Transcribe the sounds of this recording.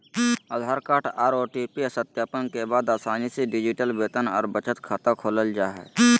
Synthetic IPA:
əd̪ʱaːɾkaːʈʰaːɾoːʈipiəsət̪jaːpənkebaːd̪aːsaːniseɖɪd͡ʒiʈəlbeːt̪ənɔ̰ːɾbət͡ʃʰət̪kʰat̪akʰoːləld͡ʒaːɦɛ̰

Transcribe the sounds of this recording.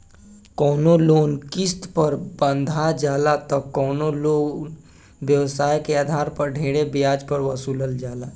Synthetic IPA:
kɔːnoloːnkɪst̪pəɾbə̃nd̪ʱad͡ʒaːlat̪ɔkːɔːnoloːn | bjəwsaːjkeaːd̪ʱaːɾpəɾɖʱeːɽebɪjaːd͡ʒpəɾʋəsuːləld͡ʒaːlaː

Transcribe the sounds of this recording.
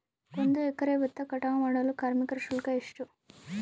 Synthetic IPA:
kond̪uɛkːɐɾeːʋɐt̪ːɐkɐʈaːmaːɽɐlukaːɾmikɐɾɐʂulkɐeʂʈu

